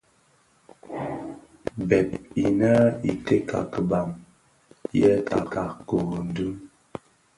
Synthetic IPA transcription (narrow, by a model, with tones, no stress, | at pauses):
bɛ˨t̚i˨na˦i˨te˦kʰa̰˨kə˨ba˨m | jɛ˦ta̰˨ka˨ko˨ɣo˨n̩˨du˦